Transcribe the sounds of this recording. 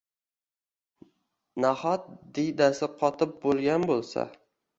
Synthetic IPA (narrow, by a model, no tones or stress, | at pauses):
nahɒt̪̚d̪ed̪asɪqʰɒt̪ʰɪp̚bolˠɡʲanbolˠsa̰